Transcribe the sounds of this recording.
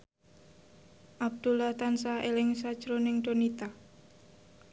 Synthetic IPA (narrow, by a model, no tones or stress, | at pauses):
ʔab̚d̪̥ulaht̪ansaelɪŋsad̥ʒ̥ɾonɪŋɖonit̪a